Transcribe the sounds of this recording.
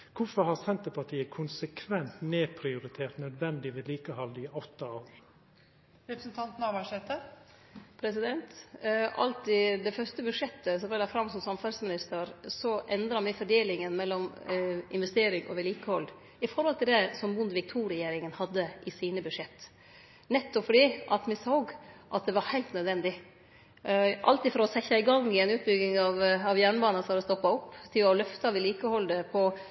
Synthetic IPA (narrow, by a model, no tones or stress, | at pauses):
kʰʊfɔɾhɑsɛnt̪əpʰɑʈʰiːəkʰʊnsəkʰʋɛnt̪neːpʰɾɪʊɾɪt̪ʰeːɾt̪nœd̪ʋɛnd̪ɪʋɛliːkəhɑld̪ɪɔt̪ːɑoːɾ | ɾɛpɾəsn̩t̪ʰɑnt̪nɑʋæʂɛt̪ə | pʰɾɛsɪd̪ɛnt̪ʔɑ̰lt̪ɪd̪ɛfœst̪əbʉʂjɛt̪ːəsɔmɛlɑfɾɑmsɔmsɑmfɑlsmɪnɪst̪əɾsɔʔɛnd̪ɾɑʋɪfɔɖeːlɪŋənmɛlːɔmɪ̰nʋɛst̪eːɾɪŋɔ̰ʋɪliːkəhɔl | ɪfɔɾhɔlt̪ʰɪld̪ɛsɔmbʊnd̪ʋɪk̚t̪ʰuːɾɛjeːɾɪŋənhɑd̪ːəʔɪsiːnəbʉʂɛt̪ː | nɛt̪ːɔpfɔɖiːʔɑt̪mɪsoːɡʔɑ̰t̪̚d̪ɛʋɑɾhæɪlt̪nœd̪ʋɛnd̪ɪ | ʔɑ̰lt̪ifɔɾɔsɛçɑɪɡɑŋːɪɛɪnʉːt̪̚bʏɡːɪŋɑʋɑʋjæːɳbɑːnɑnsɑd̪ɛst̪ɔpːɑɔpːt̪ʰɪlɔlœft̪ɑʋɪliːkəhɔld̪əpʰɔ